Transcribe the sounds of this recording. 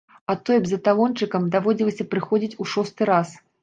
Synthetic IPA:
at̪ːɔjɐbzɐt̪alɔnt͡ʂɨkɐmd̪avɔd͡zʲilˠɐsʲɐpɾɨxɔd͡zʲit͡sʲuʂɔst̪ɨɾas

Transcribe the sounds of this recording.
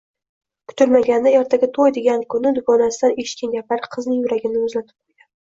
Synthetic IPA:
kʰʊ̥t̪ʰʊɾmaɡʲand̪ajɒɾt̪ʰaɡʲɪt̪ʰojd̪eɡʲankʰʊnɪd̪ʊɡɒnasɪd̪aneʃkʲɪnɡʲapʰaɾqʰɨznɪŋjʊɾaɡʲɪnɪʊzlat̪ʰɪ̥p̚qoɾɡʲan

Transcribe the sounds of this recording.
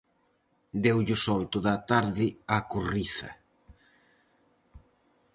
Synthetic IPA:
d̪ewʎʊsɔlt̪oðat̪aɾðɪakuriθɐ̰

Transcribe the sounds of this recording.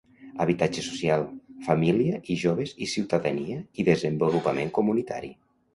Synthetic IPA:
əβit̪ad͡ʒesu̥sjalˠfamiliəʔiʒoβ̞ezisiwt̪aðəniəiðezəmbolupəmeŋkumunit̪a̰ɾḭ

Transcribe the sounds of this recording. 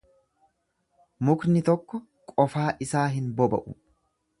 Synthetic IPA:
mʊknɪt̪ɔkːɔ | kʼɔfaːʔɪsaːɦɪnbɔbɐ̰ʔʊ̰

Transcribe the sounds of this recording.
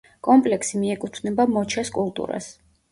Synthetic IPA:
kʼɔmpʼlɛksimiɛkʼut̪ʰnɛbamɔt͡ʃʰaskʼulˠt̪ʼṵɾa̰s

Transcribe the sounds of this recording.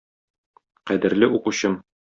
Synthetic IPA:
qæd̪ɘ̆ɾlɘʔuquɕɤm

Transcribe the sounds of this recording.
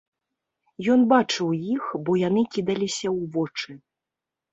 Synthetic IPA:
jɔnbat͡ʂɨwjixbɔjanɨkʲid̪ɐlʲisʲɐwvɔt͡ʂɨ

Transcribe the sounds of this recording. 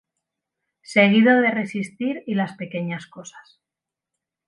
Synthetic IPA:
se̞ɣ̞iðo̞ðe̞re̞sist̪iɾilaspe̞ke̞ɲasko̞sḁs

